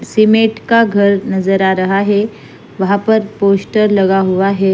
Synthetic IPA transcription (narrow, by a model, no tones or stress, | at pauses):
simeʈkaɡʱəɾnəd͡zəɾaɾəɦaɦe | ʋəɦapəɾposʈəɾləɡaɦoʋaɦe